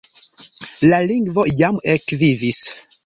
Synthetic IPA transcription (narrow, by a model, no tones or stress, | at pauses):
laliŋɡvo̞jamekvivis